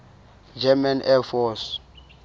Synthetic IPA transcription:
d͡ʒɛmanɛfɔs

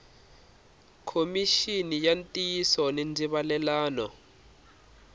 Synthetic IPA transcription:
kʰomiʃinijantʼijisɔnend͡zʱiɓalɛlaːnɔ

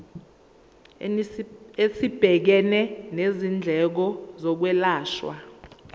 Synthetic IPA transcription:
esib̥ʱɛk̬ɛnɛnezind͡ɮʱɛk̬ɔzɔk̬wɛlaːʃwa̰

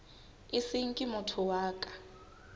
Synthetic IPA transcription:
isiŋ̩kʼimʊtʰʊwaːkʼḁ

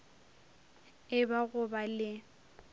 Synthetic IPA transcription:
ɪbaɣʊbalɪ

